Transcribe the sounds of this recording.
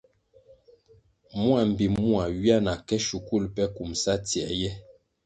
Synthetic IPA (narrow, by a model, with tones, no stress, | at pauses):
mu˦a˨m̩˨bi˨mu˦a˨wi˦a˦na˨kɛ˦ʃu˨ku˦˨lpɛ˦ku˨msa˦tjɛ˨˦jɛ˦